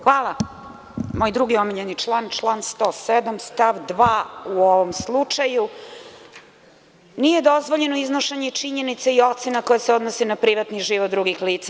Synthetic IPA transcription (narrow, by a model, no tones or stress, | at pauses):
xʋaːlˠa | mo̞jd̪ɾuɡiomiʎenit͡ʂlˠaːnt͡ʂlˠanst̪o̞sed̪amst̪aʋd̪ʋaːuoʋomslˠut͡ʂaju | nije̞d̪o̞zʋo̞ʎe̞noiznoʃaɲet͡ʂiɲenit̪saio̞t̪senakojaseo̞d̪nosenapɾiʋat̪niʒiʋod̪ɾuɡixliːt̪sa